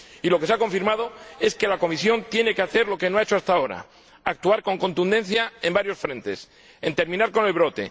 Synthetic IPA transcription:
ilo̞ke̞s̬ako̞ɱfiɾmað̞o̞e̞ske̞lako̞misjo̞nt̪je̞ne̞keaθe̞ɾlo̞ke̞noaet͡ʃoast̪aoɾa̰ | ak̚t̪uaɾko̞ŋko̞nt̪und̪e̞n̟θjae̞mbaɾjo̞sfɾẽ̞nt̪e̞̰s | e̞nt̪e̞ɾmĩnaɾko̞ne̞lβ̞ɾo̞t̪e̞̰

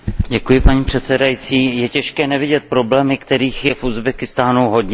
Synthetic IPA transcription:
ɟɛkujɪpaɲiːpr̝̥ɛt̪sɛdajit͡siːjɛcɛʃkɛːnɛvɪɟɛt̪̚pɾo̞blɛːmɪkt̪ɛɾiːxjɛfʔuzbɛkɪst̪aːnuɦo̞dɲɛ

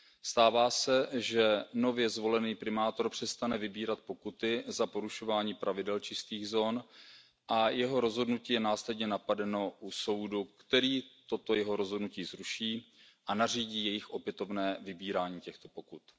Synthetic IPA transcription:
st̪aːvaːsɛʒɛno̞vjɛzvo̞lɛniːpɾɪmaːt̪o̞ɾpr̝̥ɛst̪anɛvɪbiːɾat̪̚po̞kut̪ɪzapo̞ɾuʃo̞vaːɲiːpɾavɪdɛlt͡ʃɪst̪iːɣzoːn | ʔajɛɦo̞ɾo̞zɦo̞dnuciːjɛnaːslɛdɲɛnapadɛno̞ʔuso̞wdukt̪ɛɾiːt̪o̞t̪o̞jɛɦo̞ɾozɦo̞dnuciːzɾuʃiː | ʔanar̝iːɟiːjɛjɪxʔo̞pjɛt̪o̞vnɛːvɪbiːɾaːɲiːcɛxt̪o̞po̞kut̪

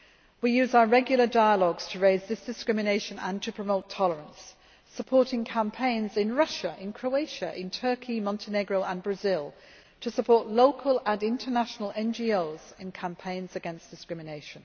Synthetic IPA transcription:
wijʉːzaʊəɹɛɡjl̩ˠədaɪəlɔɡz̥tʰəɹeɪzðɪsd̥ɪskɹɪmɪneɪʃə̃nə̰̃ntʰəpʰɹ̥əmoʊtʰɒləɹə̃ns | əpʰɔˑtɪ̃ŋkʰãmpʰẽɪ̃nzɪ̃nɹʌʃəʔɪ̃nkʰɹ̥oʊeɪʃə̰ʔɪ̃ntʰɜˑkʰimɒ̃ntʰɪnɛɡɹoʊʔə̃nbɹəzɪlˠ | tʰəsəpʰɔˑʔloʊkʰələ̃nɪ̃ntʰənaʃənəlʔɛ̃nd͡ʒioʊz̥ɪ̃nkʰãmpʰẽɪ̃nzəɡɛ̃nsd̥ɪskɹɪmɪneɪʃə̃n

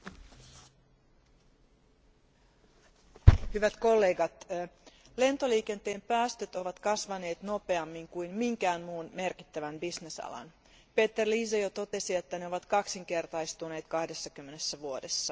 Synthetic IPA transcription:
hyʋæt̪ko̞lːe̞ːɡɑt̪ | le̞nt̪o̞liːke̞nt̪e̞ːmpæːst̪øt̪o̞ʋɑt̪kɑsʋɑne̞ːt̪no̞pe̞ɑmːiŋkujnmiŋkæːnmuːnme̞rkit̪ːæʋæmbisne̞sɑ̰lɑ̰n | pe̞ːt̪ːerliːsejot̪o̞t̪e̞sie̞t̪ːæneo̞ʋɑt̪kɑksiŋk̟e̞rt̪ɑist̪une̞ːt̪kɑhde̞sːɑkymːe̞nesːæʋuo̞de̞sːɑ

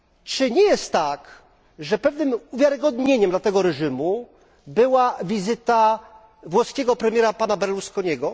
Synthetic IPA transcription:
t͡ʂɘɲɛjɛst̪ːak | ʐɛpɛvnɘmuvʲjaɾɘɡɔd̪ɲeɲɛmd̪lat̪ɛɡɔɾɛʐɘmu | bɘwavʲizɘt̪a | vwɔskʲɛɡɔpɾɛmʲjɛɾapanabɛɾluskɔɲɛɡɔ

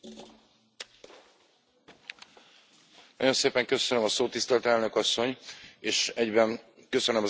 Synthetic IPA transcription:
nɒ̰jo̞nseːpɛŋkø̞sønømɒsoːt̪ːist̪ɛlt̪ɛlnø̞kɒsːo̞ɲeːʃɛɟbɛnkø̞sønømɒ

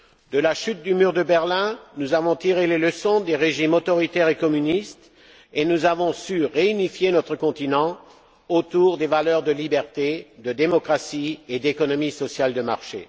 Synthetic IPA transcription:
d̪əlaʃyt̪̚d̪ymyʁd̪əbɛʁlɛ̃nuzavɔ̃t̪iʁeleləsɔ̃d̪eʁeʒimot̪ɔʁit̪ɛʁekɔmynist̪ | enuzavɔ̃syʁeynifjenɔt̪χəkɔ̃t̪inɑ̃ | ot̪uʁd̪evalœʁd̪əlibɛʁt̪ed̪əd̪emɔkχasied̪ekɔnɔmisɔsjald̪əmaʁʃḛ

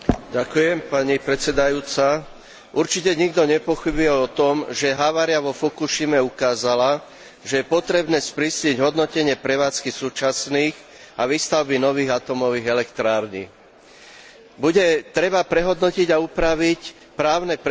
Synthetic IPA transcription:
ɟakujɛmpaɲipɾɛt͡sɛd̪ajuːt͡sa | ʔuɾt͡ʃicɛɲiɡd̪ɔɲɛpɔxibujɛɔt̪ɔmʒɛɦaʋaːɾɪaʋɔfɔkuʃimɛukaːzala | ʒɛjɛpɔt̪ɾɛbnɛːspɾisʎiɟɦɔd̪nɔcɛɲɪɛpɾɛʋaːt͡skisuːt͡ʃasniːx | aʋist̪aʊbinɔʋiːɣat̪ɔmɔʋiːɣɛlɛkt̪ɾaːɾɲḭ | buɟɛt̪ɾɛbapɾɛɦɔd̪nɔciɟaupɾaʋic | pɾaːʊnɛp

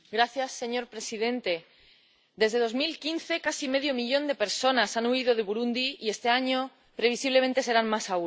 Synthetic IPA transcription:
ɡɾaθjasːe̞ɲo̞ɾpɾe̞sið̞ẽ̞nt̪e̞ | d̪e̞zðe̞ð̞o̞zmilkinθe̞kasime̞ðjo̞miʎõ̞nd̪e̞pe̞ɾso̞nasanuið̞o̞ðe̞βuɾund̪iie̞st̪e̞aɲo | pɾe̞βisiβle̞mẽ̞nt̪e̞se̞ɾanmasau

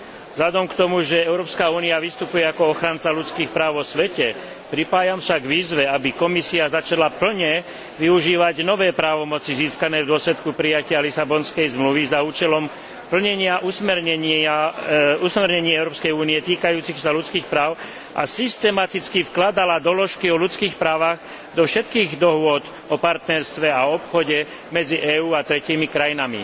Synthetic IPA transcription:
zʎad̪ɔmkt̪ɔmuʒɛɛʊɾɔːpskauːniaʋist̪upujɛakɔɔxɾant͡salut͡skiːxpɾaːʊʋɔsʋɛcɛ | pɾipaːjamʃaɡʋiːzʋɛabikɔmisiazat͡ʃalapl̩ɲɛ | ʋiuʒiːʋaɟnɔʋɛːpɾaːʋɔmɔt͡siziːskanɛːvd̪ʊɔslɛt̪kupɾijacɪalisabɔnskɛjzmluʋizauːt͡ʃɛlɔm | pl̩ɲɛɲɪaʔusmɛɾɲɛausmɛɾɲɛɲiɛʊɾɔːpskɛjuːniɛt̪iːkajuːt͡sixsalut͡skiːxpɾaːʊ | ʔa̰sist̪ɛmat̪it͡skifklad̪alad̪ɔlɔʃkiɔlut͡skiːxpɾaːʋaɣ | d̪ɔfʃɛt̪kiːɣd̪ɔɦʊɔd̪ | ɔpaɾt̪nɛɾst̪ʋɛaɔɔpxɔɟɛ | mɛd͡ziʔɛːuːat̪ɾɛciːmikɾajinamḭ

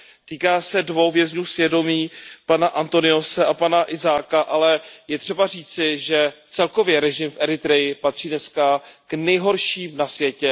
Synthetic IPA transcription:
t̪iːkaːsɛdvo̞wvjɛzɲuːsvjɛdo̞miːpanaʔant̪o̞nɪo̞sɛʔapanaʔɪzaːkaʔalɛjɛt̪r̥ɛbariːt͡sɪʒɛt͡sɛlko̞vjɛɾɛʒɪmfʔɛɾɪt̪ɾɛjɪpat̪r̝̥iːdnɛskaknɛjɦo̞ɾʃiːmnasvjɛcɛ

